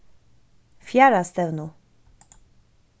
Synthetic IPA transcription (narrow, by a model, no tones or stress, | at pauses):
fʲjaɾast̪ɛvnu